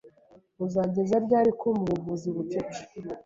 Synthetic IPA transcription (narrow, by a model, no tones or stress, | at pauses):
uzaɟe̞zaɾɟaːɾikumuuvuziβut͡ʃet͡ʃe̥